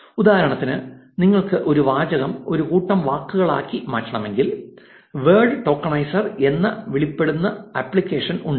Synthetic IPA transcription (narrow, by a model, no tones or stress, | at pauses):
ud̪aːɐɾɐɳɐt̪ːinɨniŋːɐɭkɨʔo̞ɾuʋaːd͡ʑɐɣɐmo̞ɾukuːʈːɐmʋaːkːuɣɐɭa̰ːkːimaːtːɐɳɐme̞ŋɡil | ʋeːɖʈo̞ːkːɐɳɐjsɐre̞nːɐʋiɭipːe̞ɽunːɐɐpɭikʲːeːʂɐnuɳɖ